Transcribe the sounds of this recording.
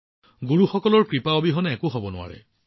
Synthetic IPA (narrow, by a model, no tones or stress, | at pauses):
ɡuɹuxɔkɔlɔɹkɹipaobiɦɔnɛɛkʊɦɔbɔnʊwa̰ɹɛ̰